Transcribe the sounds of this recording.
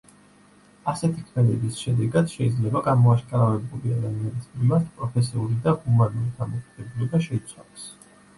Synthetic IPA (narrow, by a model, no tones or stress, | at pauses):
asɛt̪ʰikʰmɛd̪ɛbisʃɛd̪ɛɡad̪̥ʃɛid̪zlɛbaɡamɔaʃkʼaɾavɛbuliad̪amianismimaɾt̪ʰpʼɾɔpʰɛs̬iulid̪ahumanuɾid̪ʰamɔkʰʼaɡ̪̥ɛbulˠɔbaʃɛit̪sʰwa̰lˠɔs